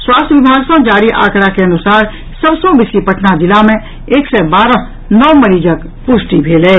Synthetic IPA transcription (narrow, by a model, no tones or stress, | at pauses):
swaːst̪ʰjʋɪbʱaːɡsə̃d͡ʒaːɾiʔa̰ːkɽakeɐnʊsaːɾ | səbsɔ̃bɪslipəʈʰnad̪ɪlamẽ | eːksɛbaːɾə̃ | nɔːməɾiːd͡ʒək | pʊʃʈibʱeːlɛː